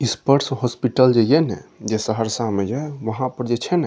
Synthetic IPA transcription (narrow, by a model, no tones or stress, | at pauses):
ispəɾsɦɔspiʈəld͡ʒejenɛ̰d͡ʒesəɦəɾsãmejeʋəɦãpəɾd͡ʒet͡ʃʰɛnɛ